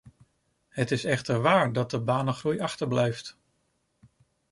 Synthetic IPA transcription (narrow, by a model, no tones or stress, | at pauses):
ɦətɪsɛχtəɹʋaːɹdɑt̚dəbaːnəχrujɑχtəɹblɛjft